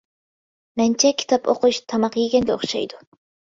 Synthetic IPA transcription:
mænt͡ʃʰɛkʲʰi̥t̪ʰapo̰quʃt̪ʰɑmɑqiɡʲenɡ̪eo̰χʃɑ̰jd̪u

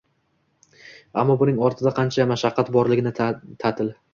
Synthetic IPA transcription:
a̰mːɒbʊnɪŋɒɾt̪ʰɪd̪aqʰɑnt͡ʃʰamaʃɑqʰːɑt̪bɒɾlɪɡʲɪnɪt̪ʰat̪ʰɪl

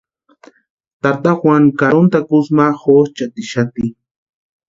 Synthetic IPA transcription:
t̪aɾt̪axwaŋkaɾont̪akusmaxot͡ʃat̪iʃat̪i

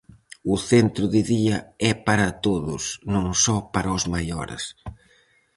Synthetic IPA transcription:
ʊθent̪ɾʊðɪðiɐɛpaɾɐt̪oðʊsnõŋsɔpaɾaʊzmajɔ̰ɾḛs

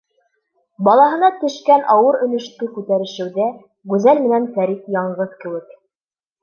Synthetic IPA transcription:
bɑlˠɑɦɤ̆nɑt̪ɵ̆ʃkænʔɑwɤɾɵ̆lɵ̆ʃt̪ɘkʉt̪æɾɘ̆ʃɘ̆wðæ | ɡʉzælmɘ̆nænfæɾitjɑɴɢɤðkɘ̆wɘk

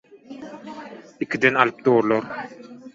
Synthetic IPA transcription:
ikʲid̪ɛnalˠɯp̚t̪oːɾlˠoɾ

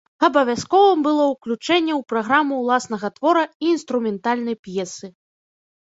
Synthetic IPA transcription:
ɐbɐvʲaskɔvɨmbɨlˠɔwklʲut͡ʂɛnʲːɛwpɾaɣɾamuwlˠasn̪ɐɣɐt̪vɔɾɐiːnst̪ɾumʲɛnt̪alʲnɐjpjɛsɨ

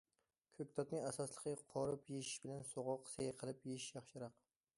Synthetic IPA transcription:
kʲʰɵk̚ʲt̪ʰɒt̪̚nɪŋasɒslˠɨqʰɨqʰɒɾɪpjeʃɪ̥ʃbɪlansoʁɑqsejqʰəlˠɪpjeʃʃjɑχʃɪɾɑq

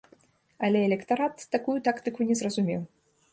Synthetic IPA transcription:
ɐlʲɛɛlʲɛkt̪aɾat̪ːakujut̪akt̪ɨkunʲɛzrɐzumʲɛw

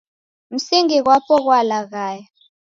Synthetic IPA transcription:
m̩siŋik̬wapʰɔk̬walak̬aːja

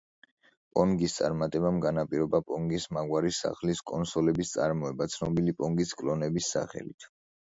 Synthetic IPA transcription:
pʼɔŋɡist̪sʼa̰ɾmat̪ʼɛbamɡanapʼiɾɔbapʼɔŋɡismaɡwaɾisa̰χliskʼɔnsɔlɛbist̪sʼaɾmɔɛbat̪sʰnɔbilipʼɔŋɡiskʼlɔnɛbisːa̰χɛ̰lḭt̪ʰ

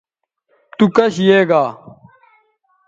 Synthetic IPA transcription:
t̪ukɐɕjeːɡaː

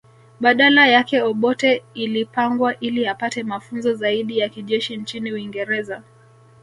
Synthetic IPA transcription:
ɓaɗalajakɛɔɓɔtɛilipaŋɡwaʔiliapatɛmafunzɔzaiɗijakiʄɛʃint͡ʃiniuwiŋɡɛɾɛza

